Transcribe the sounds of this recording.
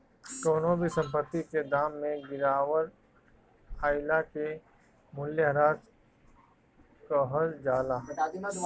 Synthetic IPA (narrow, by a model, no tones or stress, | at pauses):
koːnoːbisə̃mpət̪ːiked̪aːmːẽɡɪɾaːwəɾ | aːɪlake | mʊljəɦəɾaːd͡ʒ | kɔɦəld͡ʒaːlaː